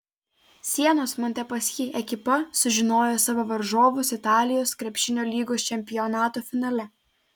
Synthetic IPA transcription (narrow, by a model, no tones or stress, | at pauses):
sʲiɛnoːsmɔnʲt̪ʲɛpɐsʲkʲiʔɛkʲɪpɐsʊʒʲɪnoːjosɐʋɐʋɐɾʒoːʋʊsɪt̪ɑːlʲɪjoːskɾʲɛpʲʃʲɪnʲoːlʲiːɡoːst͡ʃʲɛmʲpʲɪjɔnɑːt̪oːfʲɪnɐlʲɛ